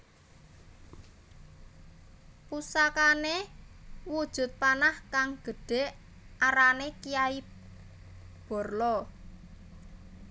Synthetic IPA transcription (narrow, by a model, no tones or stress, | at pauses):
pusakane | wud̥ʒ̥ʊ̤t̪̚panahkaŋɡ̥ə̤ɖ̥e̤ʔ | aɾanekijai | b̥ɔ̤rlɔ